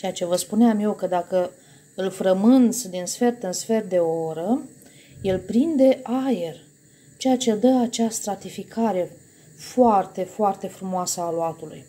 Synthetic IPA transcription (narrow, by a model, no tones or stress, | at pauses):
t͡ʃejat͡ʃe̞vəspuneamje̞wkəd̪akə | ɨlfɾəmɨnt̪sd̪insfe̞rt̪ɨnsfe̞rd̪e̞oɾə | je̞lpɾind̪e̞ʔaje̞r | t͡ʃejat͡ʃe̞d̪əat͡ʃast̪ɾat̪ifikʰaɾe̞ | foart̪e̞foart̪e̞fɾumoasəaloat̪uluj